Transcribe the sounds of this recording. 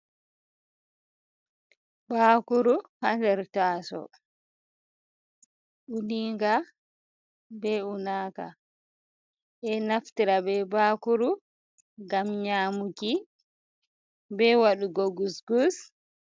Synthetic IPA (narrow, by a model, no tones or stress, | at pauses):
baːkuɾuhandɛɾtaːsɔ̰ | ʔuniŋɡa | bɛunaːka̰ | ʔɛnaftiɾabɛbaːkuɾu | ɡamɲaːmuki | bɛwaɗuɡoɡusɡus